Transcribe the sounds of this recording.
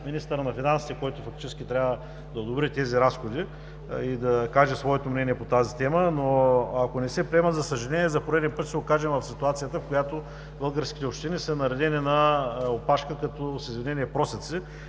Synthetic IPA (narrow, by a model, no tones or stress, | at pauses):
minist̪əɾənɐfinansi̥t̪ɛkɔjt̪ʊfɐkt̪i̥t͡ʃɛskʲit̪ɾʲavə | d̪ɐod̪obɾit̪ɛziɾasxod̪i | id̪ɐkaʒɛsvɔɛt̪omnɛniɛpot̪azit̪ɛmənoakonɛsɛpɾiɛmət̪d̪zɐsɐʒɛlɛniɛzɐpoɾɛd̪ɛnpɤt̪sɛokaʒɛmvɐfsit̪uat̪sijət̪əfkojat̪o | bəlˠɡəɾskʲit̪ɛopʃt̪inisɐnɐɾɛd̪ɛninɐopaʃkəkɐt̪ɔsizvinɛniɛpɾɔsɛt̪si